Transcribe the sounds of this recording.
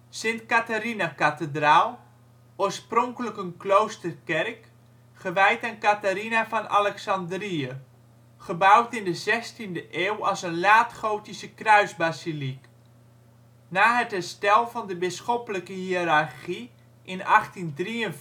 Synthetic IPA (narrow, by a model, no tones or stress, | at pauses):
sɪntkatarinakatədraːlˠ | oːrsprɔŋkələkənklowstərkɛrk | χəʋɛjtankataɾinafɔna̰lɛksɑndriə | χəbawtɪndəzɛstindəʔeːwɑsənlaːtχowtisəkrœɥzbazilik | naːɦətɦɛrstɛlˠfɑndəbɪsxɔpələkəhiərarχi | ʔɪnɑχtindriən